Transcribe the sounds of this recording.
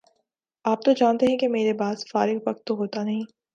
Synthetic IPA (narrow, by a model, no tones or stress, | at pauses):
aːp̚t̪od͡ʒaːnt̪eɦɛ̃kemeːɾebaːzfaːɾɪkʋɐq̚t̪ːoɦoːt̪anɐɦĩː